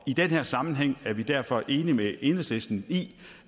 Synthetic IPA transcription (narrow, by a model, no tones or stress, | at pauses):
id̥enheɐ̰sɑ̈mn̩ɦeŋ̰æɐʋid̥æɐ̰fɒ̽ʔe̝ːnimee̝nəsesd̥n̩ḭː